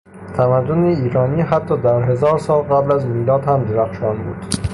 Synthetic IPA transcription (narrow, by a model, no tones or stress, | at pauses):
t̪ʰæmæd̪ːoneiːɾɒːniːɦæt̪ʰːɒːd̪æɾɦe̞zɒːɾsɒːlɣæblæzmiːlɒːd̪hæmd̪eɾæxʃɒnbṵːd̪̥